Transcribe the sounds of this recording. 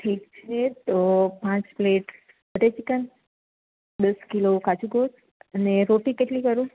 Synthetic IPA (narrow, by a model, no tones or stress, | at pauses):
ʈʰek̚t͡ʃʰet̪opãt͡ʃpleʈ | bəʈet͡ʃikən | d̪əskilokad͡ʒʰuɡos | əneɾoʈĩkeʈlikəɾũ